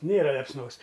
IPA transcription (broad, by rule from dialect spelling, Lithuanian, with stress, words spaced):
ˈnʲeːrɐ lʲɛpsˈnoːs